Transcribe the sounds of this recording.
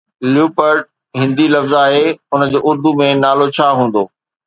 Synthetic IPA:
ljuːpəɾʈ̚ | ɦɪ̃nd̪ilɐfzaːɦeʊnə̆d͡ʑeːʔʊɾd̪ʱumẽnaːlot͡ɕʰaːɦũːn̆d̪oː

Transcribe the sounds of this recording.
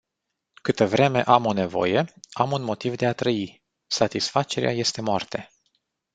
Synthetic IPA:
kɨt̪əvɾe̞me̞ʔamo̞ne̞vo̞̰je̞amunmo̞t̪ivd̪e̞at̪ɾəi | sat̪isfat͡ʃe̞ɾḛʔa̰je̞st̪e̞moart̪e̞

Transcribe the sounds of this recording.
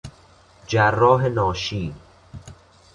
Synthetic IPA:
d͡ʒærːɒːɦenɒːʃiː

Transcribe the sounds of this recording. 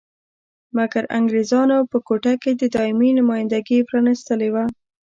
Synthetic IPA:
maɡaɾa̰ŋɡɾezɑnopəkoʈaked̪əd̪ɑɪminʊmɑjɪnd̪aɡipɾɑnɪst̪əlewa

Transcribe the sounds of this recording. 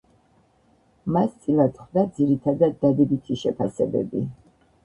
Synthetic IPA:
mast̪sʼilˠat̪χd̪ad̪ziɾit̪ʰad̪ad̪̚ːad̪ɛbit̪ʰiʃɛpʰasɛbɛ̰bi

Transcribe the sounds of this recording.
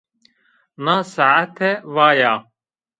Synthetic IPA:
nasaʕat̪ʰeʋaːjaː

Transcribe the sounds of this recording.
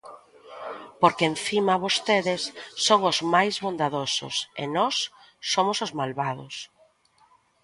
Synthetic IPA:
poɾkeenθimaβost̪eðɪsːoŋʊzmajzβond̪aðosʊ̰sḛnɔsː | omosʊzmalβaðʊs

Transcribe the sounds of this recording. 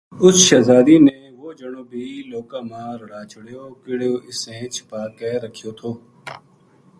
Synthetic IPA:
ʊsʃaːzaːd̪iːneːʋoːd͡ʒəɳ̃õːbʱiːloːkãːmãːɾəɽaːt͡ʃʰʊɽjoːkɪɽoːʔɪsẽːt͡ʃʰɪ̥paːkɛːɾəkʰijoːt̪ʰoː

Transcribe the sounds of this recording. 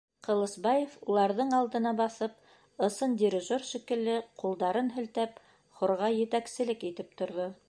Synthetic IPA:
qɤ̆lˠɤ̆sbɑjefulˠɑɾðɤɴɑlˠd̪ɤ̆nɑbɑθɤp̚ | ɤ̆sɤndʲiɾʲiʒorʃikɘ̆lːɘqulˠd̪ɑɾɤnɦɘ̆lt̪æp̚ | χŏɾʁɑjɘ̆t̪æksɘ̆lɘkit̪ɘp̚t̪ŏɾðo

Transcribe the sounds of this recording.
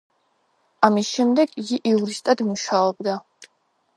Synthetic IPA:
amisʃɛmd̪ɛɡiɡiʔiuɾist̪ʼad̪muʃaɔb̚d̪a

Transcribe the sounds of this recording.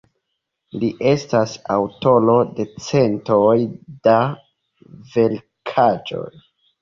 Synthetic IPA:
liʔe̞stasa̰wto̞lo̞de̞t͡se̞ntojda | ve̞l | kʰad͡ʒo̞̰j

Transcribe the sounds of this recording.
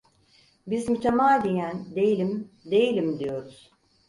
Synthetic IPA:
bizmyt̪ʰemaːd̪ijænd̪e̞jilʲim | d̪e̞jilʲimd̪ijo̞ɾuz̥

